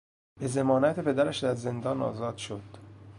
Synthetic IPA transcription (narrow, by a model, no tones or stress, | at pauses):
be̞ze̞mɒːnæt̪ʰepʰed̪æɾæʃd̪æɾze̞nd̪ɒːnɒ̰ːzɒːd̪̥ʃod̪̥